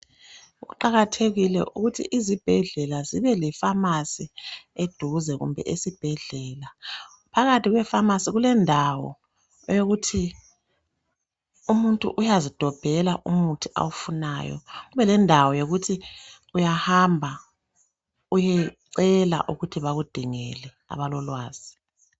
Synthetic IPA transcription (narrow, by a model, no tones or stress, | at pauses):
uɣṵǃaɣatʰeɣilɛ̰ʔṵɣutʰḭʔizib̥ʱɛɮɛlaziβɛlɛfamasied̥ʱuzɛɣṵmbʱɛ̰ʔesib̥ʱɛɮɛːla | pʰaɣatʰiɣwɛfamasiɣulɛndʱawɔ̰ | joɣutʰi | umuntʼṵʔujazid̥ʱɔb̥ʱɛlaʔumutʰiʔa̰wufuna̰jɔ̰ɣuβɛlɛndʱawɔjoɣutʰi | ujahambʱa | ujɛǀɛla̰ʔuɣutʰiβaɣud̥ʱiŋɛlɛ | a̰βalɔlwaːz̥i